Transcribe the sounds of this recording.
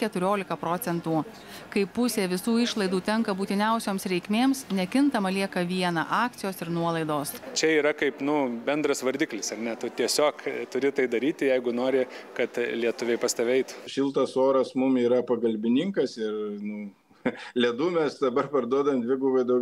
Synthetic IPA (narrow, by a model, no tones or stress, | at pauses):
kʲɛt̪ʊɾʲoːlʲɪkɐpɾoːtsʲɛnt̪uː | kɐɪpːʊsʲeːʋʲɪsuːɪʃlˠɐɪd̪uːt̪ʲɛŋkɐbuːt̪ʲɪnʲɛʊsʲoːmsɾʲɛɪkmʲeːmsnʲɛkʲɪnt̪ɐmɐlʲiɛkɐʋʲiɛnɐʔɑːk̚t̪sʲɪjoːsɪɾnuɔlˠɐɪd̪oːst͡ʃʲɛiːɾɐkɐɪpnʊbʲɛnd̪ɾɐsʋɐɾʲd̪ʲɪːklʲɪsɐɾnʲɛt̪ʊt̪ʲiɛsʲoːkt̪ʊɾʲɪt̪ɐɪd̪ɐɾʲiːt̪ʲɪjɛɪɡʊnoːɾʲɪkɐt̪lʲiɛt̪ʊʋʲɛɪpɐst̪ɐʋʲɛɪt̪ʊʃʲɪlˠt̪ɐsoːɾɐsmʊmiːɾɐpɐɡɐlʲbʲɪnʲɪŋkɐsɪɾnʊ | lʲɛd̪uːmʲɛsd̪ɐbɐrpɐɾd̪uɔd̪ɐʋɛmd̪ʲʋʲɪɡʊʋɐɪd̪ɐ